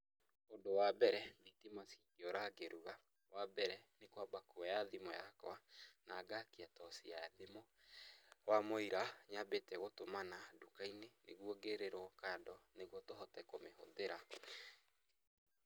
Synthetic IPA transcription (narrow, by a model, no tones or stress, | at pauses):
ondowabɛɾɛmitimasiŋɡeɔɾaɡeɾuɣa | wabɛɾɛnekwabakuɔjaðimɔjakwanaɡakiatɔsiaðemɔ | wamoiɾaɲabetɛɣotomanadukainenḛɣwɔɡeɾeɾɔkandɔneɣwɔtoɦɔtɛkomeho̰ðeɾa